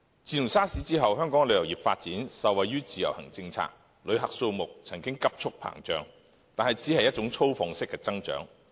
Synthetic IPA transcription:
t͡siː˨jʊ˨˩saː˥siː˨˥t͡siː˥ɦɐ˨wɦœː˥ŋkɔː˨˥ŋlɵ˨˧ɥjɐ˨˩wjiː˨p̚faː˧t̚t͡siː˨˥nsɐ˨wɐ˨jɥyː˥t͡siː˨jɐ̰˨˩whɐ̰˨˩ŋt͡sɪ˧ŋt͡sʰa̰ː˧˥k̚ | lɵ˨˧ɥɦɐ˨k̚so˧wmʊ˨k̚t͡sʰɐ˨˩ŋkɪ˥ŋkɐ˥p̚t͡ʃʰʊ˥k̚pʰa̰ː˨˩ŋt͡ʃœ̰ː˨˩ŋ | t̪aː˨nɦɐ˨jt͡siː˨˥hɐ˨jɐ˥t̚t͡ʃʊ˨˥ŋt͡sʰo˥wfɔ˧ŋsɪ˥kːɛː˧t͡sɐ˥ŋt͡ʃœ̰ː˨˥ŋ

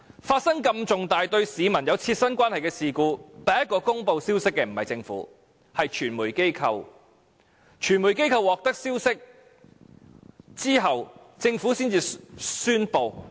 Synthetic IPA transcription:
faː˧t̚sɐ˥ŋkɐ˧mt͡sʊ˨ŋt̪aː˨jt̪ɵ˧ɥsiː˨˧mɐ˨˩njɐ˨˧wt͡sʰiː˧t̚sɐ˥nkʷaː˥nhɐ˨jkɛː˧siː˧kuː˧t̪ɐː˨˩jɐ˥t̚kːɔː˧kʊ˥ŋpo˧wsiː˥wsɪ˥kːɛː˧m̩˨˩hɐ˨jt͡sɪ˧ŋfṵ˨˦˥ | hɐ˨jt͡ʃʰyː˨˩nmuː˨˩jke˥jkʰɐ˧w | t͡ʃʰyː˨˩nmuː˨˩jke˥jkʰɐ˧wːɔː˨k̚t̪ɐ˥k̚siː˥wsɪ˥k̚ | t͡siː˥ɦɐ˨w | t͡sɪ˧ŋfuː˨˥siː˥nt͡siː˧syː˥npo˧w

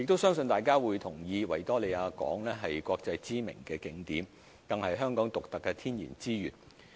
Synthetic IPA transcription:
jɪ˨k̚t̪o˥wsœː˥ŋsɵ˧nt̪aː˨˩jkaː˥wuː˨˧jt̪ʰʊ˨˩ŋjiː˧wɐ˨˩jt̪ɔː˥le˨˧aː˧kɔ̰ː˨˥ŋlɛː˥ɦɐ˨jkʷɔː˧k̚t͡sɐ˧jt͡siː˥mɪ̰˨˩ŋkɛː˧kɪ˨˥ŋt̪iː˨˥m | k̪ɐ˨ŋhɐ˨jɦœː˥ŋkɔː˨˥ŋt̪ʊ˨k̚t̪ɐ˨kːɛ˧t̪ʰiː˥njḭ˨˩nt͡siː˥jyː˨n

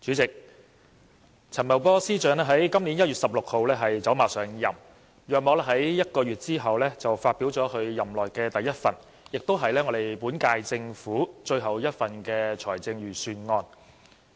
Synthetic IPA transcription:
t͡syː˨˥t͡sɪ˨k̚ | t͡sʰɐ˨˩mɐ˨˩wpɔː˥siː˥t͡ʃœː˨˥ŋlɛː˥ɦɐ˨˥jkɐ˥mni˨˥njɐ˥t̚ɥyː˨t̚sɐ˨p̚lʊ˨k̚ho˨˧wlɛː˥ɦɐ˨jt͡sɐ˨˥wmaː˨sœː˨˧ŋjɐ˨˩m | jœː˨k̚mɔː˨˧˥lɛ˥ɦɐ˨˥jjɐ˥t̚kɔː˧ɥyː˨t̚t͡siː˥ɦɐ˨wlɛː˥t͡sɐ˨wfaː˧t̚piː˨˥wt͡sɔː˨˥kʰɵ˨˧ɥjɐ˨˩mlɔː˨˩jkɛː˧t̪ɐ˨jːɐ˥t̚fɐ̰˨˩n | jɪ˨k̚t̪o˥wɦɐ˨jlɛː˥ŋɔː˨˧d̪e˨jpuː˨˥nkaː˧jt͡sɪ˧ŋfuː˨˥t͡ʃɵ˧ɥɦɐ˨˩wjɐ˥t̚fɐ˨˩nkɛː˧t͡sʰɔː˨˩t͡sɪ˧ŋɥyː˨˩syː˧nŋɔː˧n

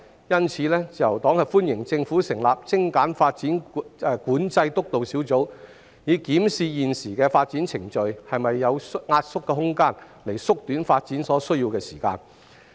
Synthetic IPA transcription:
jɐ˥nt͡sʰiː˨˥lɛː˥t͡sɐ˨˩wt̪ɔː˨˥ŋhɐ˨jfuː˥njɪ˨˩ŋt͡sɪ˧ŋfuː˨˥sɪ˨˩ŋlaː˨p̚t͡sɪ˥ŋkaː˨˥nfaː˧t̚t͡siː˨˥nː˧kuː˨˥nt͡sɐ˧jt̪ʊ˥k̚t̪o˨wsiː˨˥wt͡so˨˥w | jiː˨˧kiː˨˥msiː˨˧jiː˨nsiː˨˩kɛː˧faː˧t̚t͡siː˨˥nt͡sʰɪ˨˩ŋt͡ʃɵ˨ɥhɐ˨jmɐ˨jːɐ˨˧wsŋaː˧t̚sʊ˥kːɛː˧ɦʊ˥ŋkaː˥n | le˨˩jsʊ˥k̚t̪yː˨˥nfaː˧t̚t͡siː˨˥nsɔː˨˥sɵ˥ɥjiː˧wkɛː˧siː˨˩ka̰ː˧n

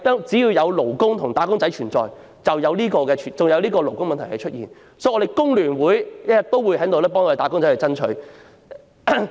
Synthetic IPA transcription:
t̪ɔː˥t͡siː˨˥jiː˧wjɐ˨˧wlo˨˩wkʊ˥ŋt̪ʰʊ˨˩ŋt̪aː˨˥kʊ˥ŋt͡sɐ˨˥jt͡ʃʰyː˨˩nt͡sɔ̰ː˨j | t͡sɐ˨wjɐ˨˧wliː˥kɔː˧kɛː˧t͡ʃʰyː˨˩nt͡sʊ˨ŋjɐ˨˧wliː˥kɔː˧lo˨˩wkʊ˥ŋmɐ˨nt̪ʰɐ˨˩kɛ˧˥t͡ʃʰɵ˥t̚jiː˨n | sɔ˨˥jɔ˨˧ɾe˨˩jkʊ˥ŋlyː˨˩nwuː˨˥jjɐ˥jɐ˨t̚t̪o˥wuː˨˧jɦɐ˨˥jt̪o˧wlɛː˥pɔː˥ŋɔː˨˧de˨˩t̪aː˨˥kʊ˥ŋt͡sɐ˨˦jhɐ˨˧t͡sɐ˥nt͡ʃʰɵ˨˥

